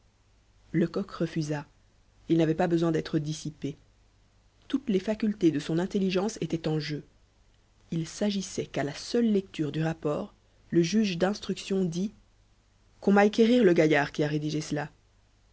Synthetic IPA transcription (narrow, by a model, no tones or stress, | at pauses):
ləkɔkʁəfyza | ilnavɛpabəzwɛ̃d̪ɛt̪χəd̪isipe | t̪ut̪lefakʲylt̪ed̪əsɔ̃nɛ̃t̪eliʒɑ̃set̪ɛt̪ɑ̃ʒø | ilsaʒisɛkalasœlːɛk̚t̪yʁd̪yʁapɔːʁ | ləʒyʒd̪ɛ̃st̪χyksjɔ̃d̪i | kɔ̃maakʲeʁiʁləɡajaːʁkʲiaʁed̪iʒesəla